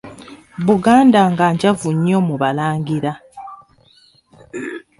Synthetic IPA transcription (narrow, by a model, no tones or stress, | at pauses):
βuɡaːndaŋɡaːɲɟavuɲːomuβalaːŋɡiɾa